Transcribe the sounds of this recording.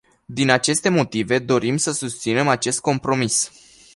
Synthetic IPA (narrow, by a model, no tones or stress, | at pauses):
d̪inat͡ʃe̞st̪e̞mo̞t̪ive̞d̪o̞ɾimsəsust̪sine̞mat͡ʃe̞st̪̚ko̞mpɾo̞mis